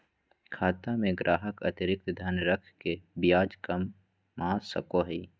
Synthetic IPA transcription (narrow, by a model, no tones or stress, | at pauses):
kʰaːt̪amẽɡɾʔaːɦəkɐ̰t̪ɪɾɪk̚t̪d̪ʱɐnɾəkʰkebjaːd͡ʒkɐmː | ãːsɐ̰koɦəiː